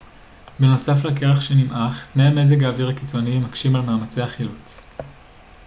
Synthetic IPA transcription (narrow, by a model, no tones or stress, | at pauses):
beno̞saflake̞ʁaχʃenimʔaχtneame̞zeɡaːviʁakit͡so̞nimakʃimalmaːmat͡seaχilot͡s